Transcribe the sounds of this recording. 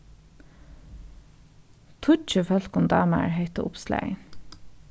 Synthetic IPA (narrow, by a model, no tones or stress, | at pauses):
t̪ʰʊt͡ʃəfœl̥kʊmd̪ɑːma̰ɹɦet̪əʔʊ̰pslæ̰